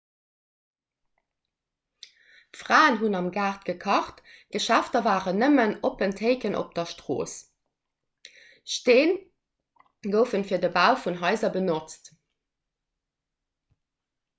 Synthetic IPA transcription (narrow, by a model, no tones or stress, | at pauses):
fʁaːənɦunɑmɡaːχtɡ̥əkʰɑχt | ɡ̥əʃæftɐvaːʁənəmənopəntʰeɪkənʔo̰p̚d̥ɐʃtʁo̰ːs | ʃteːn | ɡəʊfənfiːɐdəbaʊfunɦɑɪzɐbənot͡st